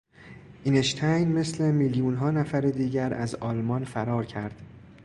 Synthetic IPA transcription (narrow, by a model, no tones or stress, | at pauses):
ʔineʃt̪ʰæjnme̞sle̞miːljuːnɦɒːnæfæɾed̪iːɟæɾæ̰zɒːlmɒnfæɾɒːɾcʰæɾd̪̥